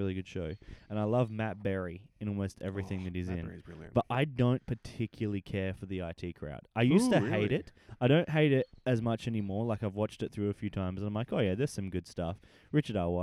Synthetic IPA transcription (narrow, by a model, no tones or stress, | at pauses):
ɪlˠiɡʊd̥ʃoʊɨ̃naɪlʌvmæt̚b̥ɛɹiɨ̃ñɔlˠmoʊstɛ̰vɹiθɪ̃ŋðɨɾɨzɪ̃nb̥ʌɾʔaɪdõʊ̃npʰə˞tʰɪkʰjl̩ˠlˠikʰɛɹfə˞ðiaɪtʰikʰɹ̥a̰ʊtaɪjʉstɨheɪɾɪtaɪɾõʊ̃nʔɦeɪɾɪɾɨzmʌt͡ʃɛnimɔɹlaɪkaɪvwɑt͡ʃtɨt̪̚θɹʉɨfjʉtʰãɪ̃mz̃nãɪ̃mlaɪkoʊjæðə˞z̥sʌ̃mɡʊd̥stʌf | ɹɪt͡ʃə˞ɾawɑ